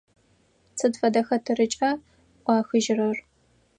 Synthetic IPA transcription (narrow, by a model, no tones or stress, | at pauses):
t͡sʰɨdfɐdɐxɐtʰɨrɨt͡ʃʼɐ | qʷɑːxɨʒɪrɐr